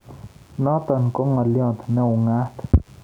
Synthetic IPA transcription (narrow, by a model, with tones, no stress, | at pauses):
nɔ˦t̪a˨nkɔ˦ŋa˨ljɔ̃˦˨t̪nɛ˦u˨ŋa˦t̪